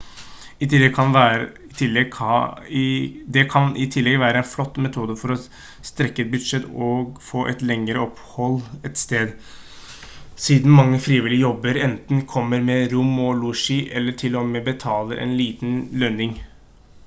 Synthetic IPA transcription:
ɪkʰɑn | t̪ʰɪlːɛ | d̪ɛkʰɑnɪt̪ʰɪlːɛɡʋæːɾəɛnflɔt̪ːmɛt̪ʰuːd̪əfɔɾɔ | st̪ɾɛkːəɛt̪̚bʉd̪ʂɛt̪ːɔɡfoːʔɛt̪lɛŋəɾəɔphɔlɛt̪st̪eːd̪ | siːd̪n̩mɑŋːəfɾiːʋɪlɪəjɔbːəɾɛnt̪nkʰɔmːəɾmɛɾʊmɔluʂiʔɛlːəʈʰɪlɔmɛbət̪ʰɑːləʔɛ̰nliːt̪n̩lœnɪŋ

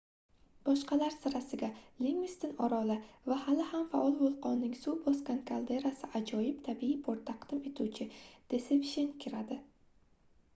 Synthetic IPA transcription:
b̥ɒʃqɑlaɾsɪɾasɪɡʲaleŋmɪst̪ɪnɒɾɒlavahalɪhamfaʔɒlˠvolˠqɒnːɪŋsubɒskʲankʰalˠd̪e̞ɾasɪʔad͡ʒɒjɪpt̪ʰabiipʰoɾt̪ʰːaqd̪̥ɪme̞t̪ʰuwt͡ʃʰɪd̪̥e̞sepʃenkʲʰɪɾad̪ɪ

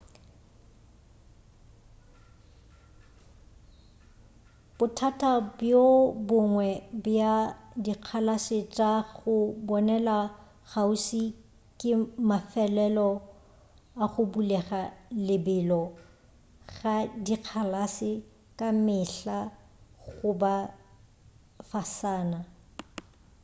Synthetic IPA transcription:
b̥ʊtʰatʰʼabjobʊŋwɛbjadiq͡χʰalasɪt͡ʃʼaɣʊbɔnɛla | ɣausi | kʼɪmafɛlɛlɔ | aχʊbulɛχalɪbɪlɔ | ɣadiq͡χʰalasɪ | kʼamɪɬa | ɣɣʊba | fasaːna

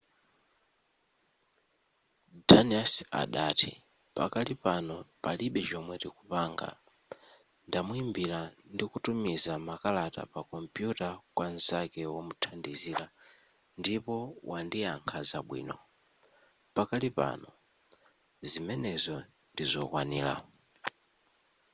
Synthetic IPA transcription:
daniasa̰ɗaːtʰi | pa̰katipanɔpaliɓɛd͡ʒɔmwɛɾikupaŋɡa̰ | ndamuimbilandikutumizamakalata̰pakɔmpjutakwanzakɛwɔmutʰandiziɾa | ndipɔwʔandijaŋkʰazaɓwḭːnɔ | pakatipa̰nɔ | zimɛnɛzɔ | ndizɔ̰kwanḭːla̰

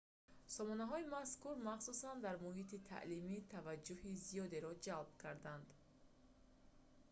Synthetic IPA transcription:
sɔmɔnaɦɔimaskuɾmaχsusand̪aɾmuɦit̪it̪ʰa̰ʔlimit̪ʰavad͡ʒːuhizijɔd̪e̞ɾɔd͡ʒalb̚kʰaɾd̪and̪

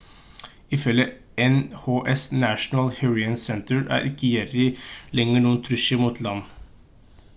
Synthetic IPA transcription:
ɪfœlə | ɛnhoːʔɛsnæʃnəlhʉɹɪənsɛnt̪əɹæ̰ːɾʔɪkəjɛɾɪlɛŋəɳuːənt̪ʰɾʉʃəmuːt̪ʰlɑn

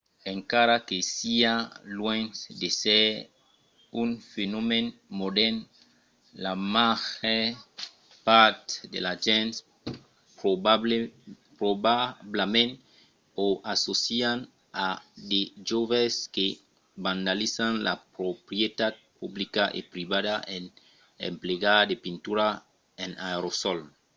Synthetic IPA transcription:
eŋkaɾakesialwẽnsd̪esɛɾ | unfenomẽnmodɛn | lamaxe | paɾt̪d̪ḛlaʒɛ̃ns | po | pɾobablamẽn | oʔasosian | ad̪eʒoβeske | bãnd̪alisanla̰pɾopɾjet̪at̪̚publikaʔḛpɾiβaðaʔen | ḛmpleɡad̪epint̪uɾa | enaɾosɔl

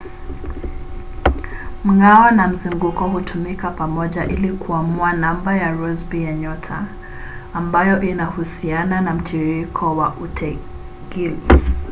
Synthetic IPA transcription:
m̩ɡawanam̩zuŋɡukɔhutʰumikapamɔʄaʔilikʰuamuanambajaɾɔzbijaɲɔtʰaː | mbajɔʔinahusiananam̩tʰiɾikʰɔwaʔutʰɛ | ɡili

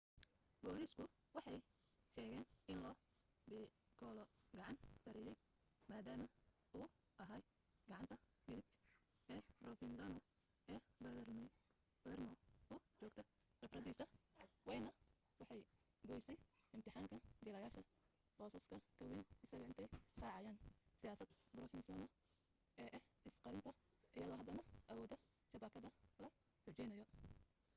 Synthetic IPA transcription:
b̥ɔːliːskʰʊ | wɑħɑj | ʃɛːɣɛːnɪnlɔː | bɪ | ɡʰɔːlɔɡɑʕɑnsɐɾɛjɛj | maːd̪aːmɐ | ʊː | ʔɐɦaːj | ɡɐʕɑnt̪ʰɐmɪlɪk | ʔɛːbrɔfɪnsɐnɔ | ɛːbɐðrm | bɐɛrmɔʊt͡ʃɔːɡ̚t̪ʰɐ | rɛbrɐðiːsɐwɑjnɐ | wɑħɑj | ɡɔːjsɛjɪmt̪ʰɪħɑːŋkʰɐd͡ʒɪlɐjaːʃɐ | b̥ɔːsɐskʰɐkʰɐwɪnɪsɐɣɐɪnt̪ʰɛjrɑːʕɑjaːnsɪjaːsɐd̪brɔfɪnsɔːnɔ | ʔɛːʔɛhɪsqɑɾɪnt̪ʰɐʔɪjɐðɔːɦɐd̪ɐnɐʔɐwɔːd̪ɐ | ʃɐbaːkʰɐðɐlɐ | ħʊt͡ʃɛjnɐjɔ

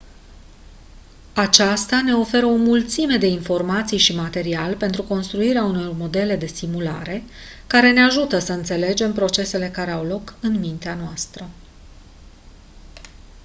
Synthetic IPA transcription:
at͡ʃast̪ane̞o̞fe̞ɾəo̞mult̪sime̞d̪e̞info̞rmat̪sijʃimat̪e̞ɾialpe̞nt̪ɾuko̞nst̪ɾuiɾeauno̞rmo̞d̪e̞le̞d̪e̞st̪imula̰ɾe̞ | kaɾe̞ne̞aʒut̪əsəɨnt̪se̞le̞d͡ʒe̞mpɾo̞t͡ʃe̞se̞le̞kaɾe̞awlo̞kɨnmint̪eanoast̪ɾə

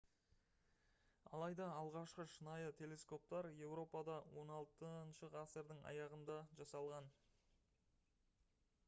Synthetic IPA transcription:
ɑ̰lˠɑjd̪ɑːlˠʁɑʃqəʃənɑjət̪ʲʰe̞lʲe̞sko̞p̚t̪ɑɾje̞wɾo̞pɑd̪ɑwo̞nɑlˠt̪ənʃəʁaseɾd̪əŋɑ̰jɑʁənd̪ɑʒɑsɑlˠʁɑn

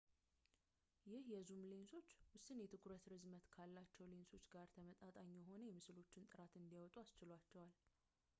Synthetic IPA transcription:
jɪhjɛzumlenso̞t͡ʃːwʊsɨnjɛt̪ʰɨkʰuɾət̪ɾɨzmət̪kʰalːat͡ʃːɛwlenso̞t͡ʃːɡaɾt̪ʰəmət̪ʼat̪ʼaɲːjɛɦo̞nəjɛmɨslo̞t͡ʃːɪnt̪ʼɨɾat̪ɨnd̪ijawɔt̪ʼuast͡ʃɪlwat͡ʃːɛwal

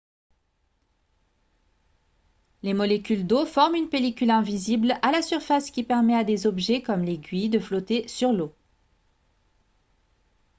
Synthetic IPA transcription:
lemɔlekʲyld̪ofɔʁmynpelikʲylɛ̃viziblalasyʁfaskʲipɛʁmɛad̪ezɔbʒɛkɔmleɡʲɥid̪əflɔt̪esyʁlo

